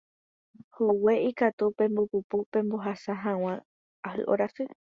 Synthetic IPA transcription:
howe̞ikat̪upẽ̞mbopupupẽ̞mboɦasaɦãw̃ã | ahɨ̰ʔoɾasɨ

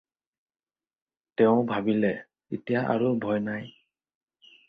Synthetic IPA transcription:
tɛʊ̃bʱabilɛ | itijaʔa̰ɹubʱɔjnaj

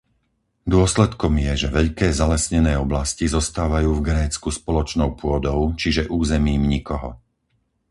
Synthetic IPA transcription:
d̪ʊɔslɛt̪kɔmjɛʒɛʋɛʎkɛːzalɛsɲɛnɛːɔblascizɔst̪aːʋajuːvɡɾɛːt͡skuspɔlɔt͡ʃnɔʊpʊɔd̪ɔʊt͡ʃiʒɛʔuːzɛmiːmɲikɔɦɔ̰

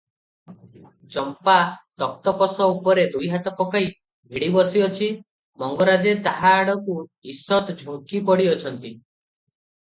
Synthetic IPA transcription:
d͡ʒɔmpat̪ɔk̚t̪ɔpɔsɔupɔɾed̪ujɦat̪ɔpɔkaj | bʱiɽibɔsiɔt͡ʃʰi | mɔŋɡɔɾad͡ʒet̪aɦaːɽɔkuisɔt̪d͡ʒʱuŋkipɔɽiɔt͡ʃʰɔnt̪i

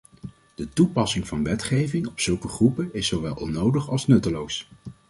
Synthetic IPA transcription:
d̥ətupɑsɪŋvɑnʋɛtχejvɪŋɔpsɵlˠkəχrupəɪsːowʋɛlˠʔɔnːowdəχɑlˠsnɵtəlows

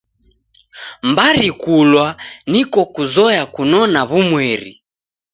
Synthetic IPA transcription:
mbaɾikulwanikɔkuzɔjakunɔnaβumwɛɾḭ

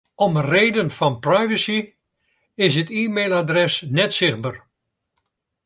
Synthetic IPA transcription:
ɔməreːdənfɑnprajvəsi | ɪs̬ətiːmeːlˠadrɛsnɛtsɪχbər

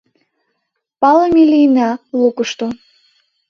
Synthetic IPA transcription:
pɑləmilʲinɑlukuʃt̪o

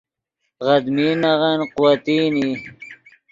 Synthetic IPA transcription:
ɣɐd̪miːnɐʁɐnquwɐt̪iːni

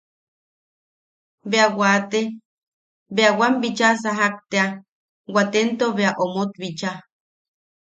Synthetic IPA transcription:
beawat̪e | beawambit͡ʃas̬aɦak̚t̪ea | wat̪ent̪oβeaʔomot̪̚βit͡ʃa

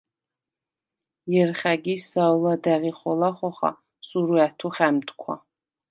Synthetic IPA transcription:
jɛrχʲaɡʲisawladæʁiχʷɔlaχʷɔχa̰ | sʼuɾuatʰuχæmd̪kʷʰa̰

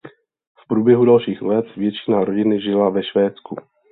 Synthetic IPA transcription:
fpɾuːbjɛɦudalʃiːxlɛt̪vjɛt͡ʃɪ̥naɾo̞ɟɪnɪʒɪlavɛʃvɛːt͡sku

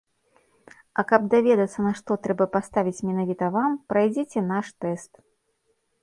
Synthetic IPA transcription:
ɐkɐb̚d̪avʲɛd̪ɐt̪sːɐnɐʂt̪ɔt̪ɾɛbɐpast̪avʲit͡sʲmʲɛnavʲit̪ɐvampɾajd͡zʲet͡sʲɛnaʂt̪ɛst̪

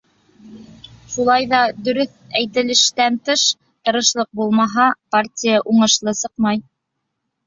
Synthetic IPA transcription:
ʃulˠɑjðɑd̪ɵ̆ɾɵθ | æjt̪ɘ̆lɘ̆ʃt̪ænt̪ɤʃ | t̪ɤ̆ɾɤ̆ʃlˠɤq̚bulˠmɑɦɑpartʲijɑʔuɴɤ̆ʃlˠɤsɤqmɑj

